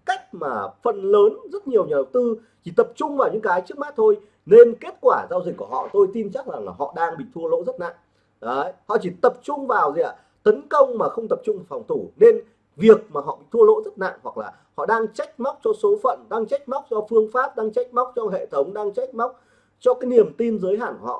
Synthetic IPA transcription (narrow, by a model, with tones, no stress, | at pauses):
ka˦˥jk̟̚maː˨˩fə˨˩nləː˨˦nzə˦˥t̚ɲi˨˩əwɲaː˨˩ə˨˩w̚t̪ɨ˧ | t͡ɕi˧˩t̪ə˨˩p̚t͡ɕʊ˧ŋ͡mvaː˨˩wɲɨ̰˧˥ŋkaː˨˦jt͡ɕɨ˦˥ək̚ma˦˥t̚t̪ʰo˧j | ne˧nke˦˥t̚kwaː˧˩zaː˧wzi˨˩k̚ku˧˩əɦɔ̰˧˨t̪o˧jt̪i˧mt͡ɕa˦˥k̚la˨˩ŋlaː˨˩ɦɔ̰˧˨ɗaː˧ŋɓḭ˧˨t̪ʰu˧ə˧lo̰˧˥zə˦˥t̚na̰ː˧˨ŋ˨˦ | hɔ̰˧˨t͡ɕi˧˩t̪ə˨˩p̚t͡ɕʊ˧ŋ͡mvaː˨˩wzi˨˩ʔa̰ː˧˩ | t̪ə˨˦nkə˧wŋ͡mmaː˨˩xə˧wŋ͡mt̪ə˨˩p̚t͡ɕʊ˧ŋ͡mmo˨˩fa˨˩wŋ͡mt̪ʰu˧˩ne˧n | vi˨˩ək̚maː˨˩ɦɔ̰˧˨ɓḭ˧˨t̪ʰu˧əlo̰˧˥zə˦˥t̚na̰ː˧˨ŋhwa˨˩k̚laː˨˩ | hɔ̰˧˨ɗaː˧ŋt͡ɕa˦˥jk̟̚ma˦˥wk͡p̚t͡ɕɔ˧so˨˦fə̰˧˨nɗaː˧ŋt͡ɕa˦˥jk̟̚ma˦˥wk͡p̚zɔ˧fɨ˧əŋfaː˦˥p̚ɗaː˧ŋt͡ɕa˦˥jk̟̚ma˦˥wk͡p̚t͡ɕɔ˧ŋ͡mɦḛ˧˨t̪ʰə˨˦wŋ͡mɗaː˧ŋt͡ɕa˦˥jk̚ma˦˥wk͡p̚ | t͡ɕɔ˧kaː˨˦jni˨˩əmt̪i˧nzəː˨˦jɦaː˧˩nkhɔ̰˧˨